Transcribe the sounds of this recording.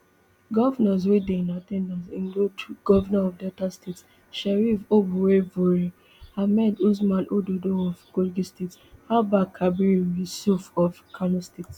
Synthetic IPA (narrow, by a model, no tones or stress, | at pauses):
ɡɔvanɔs̬widẽĩnatɛ̃ndãnsĩŋɡlotʰuɡ̥ɔvanaɔvdɛtastʰets | ʃɛɹifobuwevoɹi | hamɛdus̬malʔododoɔvkolɡistethabakʰabiɹiwisufɔfkʰanɔstets